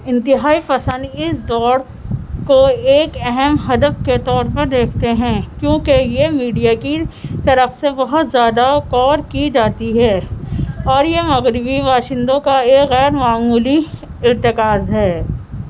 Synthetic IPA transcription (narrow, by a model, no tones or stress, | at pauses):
ɪ̃nt̪ɪɦaːipɐsə̃nd̪ɪsd̪ɔːɽ | koeːkɛɦɛmɦɐd̪əfket̪ɔːɾpɐɾd̪eːkʰt̪eɦɛ̃kjõːkejemiːɖijakit̪ɐɾəfsebɐɦʊt̪zjaːd̪akɔːɾkid͡ʒaːt̪iɦɛː | ɔːɾjemɐɣɾɪbiʋaːʃɪ̃nd̪õkaeːkɣɛːɾmaːmuːliɪɾt̪ɪkaːzɦɛː